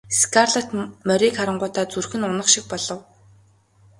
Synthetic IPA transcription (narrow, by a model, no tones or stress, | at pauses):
skʰarɮat̪mœɾʲiːkχaɾə̆ɴɢʊːt̪aːt͡surxɘ̆nʊnə̆χʃik̚pɔɮɞ̆w